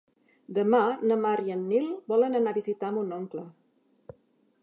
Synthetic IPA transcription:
d̪əmanəmaɾiənːilˠbɔlənənaβizit̪amunoŋklə

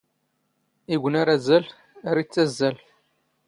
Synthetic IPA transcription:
iɡʷənaɾæzːæl | aɾit͡sːæzːæl

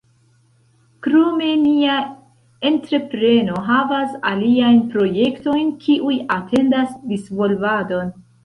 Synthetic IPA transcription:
kɾome̞nia | e̞ntɾe̞pɾe̞no̞ɦavasa̰liajnpɾo̞je̞kto̞jnkʰiʔujatʰe̞ndasdisvo̞lvado̞n

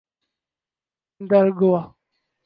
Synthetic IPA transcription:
nd̪aɾɡowa

